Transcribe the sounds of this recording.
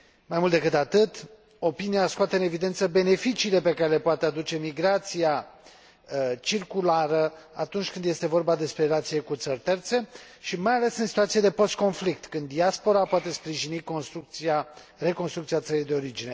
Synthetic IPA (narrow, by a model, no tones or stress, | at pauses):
majmult̪d̪e̞kɨt̪at̪ɨt̪ | o̞pinijaskoat̪eɨne̞vid̪e̞nt̪səbe̞ne̞fit͡ʃiːle̞pe̞kaɾe̞le̞poat̪e̞ad̪ut͡ʃe̞miɡɾat̪sija | t͡ʃirkulaɾəat̪unt͡ʃʲkɨnd̪je̞st̪e̞vo̞rbad̪e̞spɾe̞ɾelat̪sije̞kut̪sərʲt̪e̞rt̪se̞ | ʃimajale̞sɨnsit̪uat̪sijed̪e̞po̞st̪̚ko̞nflik̚t̪kɨnd̪ːiaspo̞ɾapoat̪e̞spɾiʒinikonst̪ua | re̞ko̞nst̪ɾukt̪siat̪səɾijd̪e̞o̞ɾid͡ʒine̞